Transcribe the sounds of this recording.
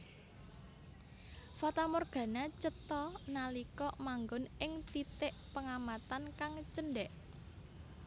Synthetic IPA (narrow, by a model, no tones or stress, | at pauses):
fɔt̪amorɡ̥ä̤nat͡ʃət̪ɔnalikɔmaŋɡʊnɪŋt̪it̪ɪʔpəŋamat̪ankaŋt͡ʃənɖɛʔ